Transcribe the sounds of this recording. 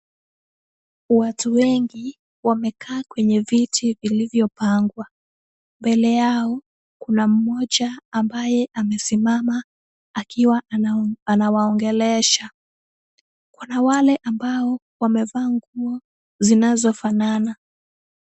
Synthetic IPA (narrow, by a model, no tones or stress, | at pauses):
watuwɛŋɡi | wamɛkʰaːkwɛɲɛvitʰivilivjɔpaŋɡwa | mbɛlɛjaɔ | kunam̩mɔʄaːmbajɛʔamɛsimama | akiwaanawaɔŋɡɛlɛʃa | kunawalɛʔambaɔ | wamɛvaːŋɡuɔ | zinazɔfanana